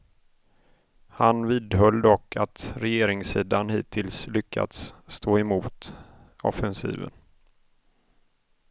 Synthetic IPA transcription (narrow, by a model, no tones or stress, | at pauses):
hanviːd̪ɦœld̪ɔkʰːat̪ɾɛjeːɾɪŋsiːd̪anhiːt̪ʰɪlslʏkʰːa̰d̪sːt̪ʰoːɛmuːt̪ | ɔ̰fɛnsḭːvə̰n